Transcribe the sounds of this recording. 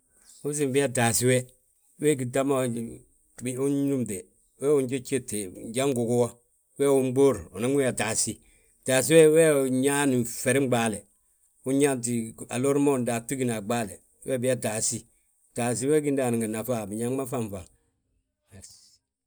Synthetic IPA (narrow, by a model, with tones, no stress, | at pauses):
u˦s̬i˨mbi˦a˦daː˨si˦wɛ˦ | wɛ˦ɡi˨da˦ma˦˨ | bu˦ɲu˦mde˨ | wɛ˦wu˦nd͡ʒo˦t͡ʃe˦te˨d͡ʒa˦ŋ˦ɡu˨ɡu˦wa˦ | wɛː˦˨wu˦m˦ɡ͡bo˦ɾu˨ni˦ŋ˦wi˦a˨da˨si˦ | d̥aː˨s̬i˦wɛ˦wɛ˦˨ɲa˦ni˨fɛ˨ɾi˦m˦ɡ͡baː˦lɛ˨ | u˦ɲa˦nt̬i˨a˨lo˦ɾmo˦˨ndaː˨tu˦ɡi˨na˨ɡ͡baː˦lɛ˨ | wɛ̰˦bi˦a˦da˨si˦ | d̥a˨s̬i˦wɛ˦ɡi˦ndaː˨ni˨ŋa˨na˨fa˦˨bi˨ɲa˦a˦fa˦˨ɱfa˨